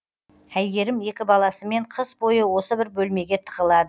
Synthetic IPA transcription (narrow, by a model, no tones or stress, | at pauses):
æjɡʲe̞ɾɪme̞kʲɪbɑlˠɑsəme̞ɴqʰəsbo̞jəwo̞səbɪɾbɵlme̞ɡʲe̞t̪ʰə̥ʁəlˠɑd̪ə